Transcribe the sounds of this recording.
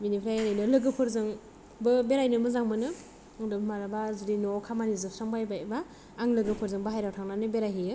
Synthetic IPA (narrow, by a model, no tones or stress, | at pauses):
minipʰɾajɾajnɯlɯɡɯpʰɯɾzɯŋ | bɯbeɾajnɯmɯzaŋmɯnɯ | ŋdɯmaɾabazudinokʰamanizɯsaŋbajbajbaː | ŋlɯɡɯpʰɯɾzɯŋbɯɦajɾawtʰaŋnanɯbeɾajɦijɯ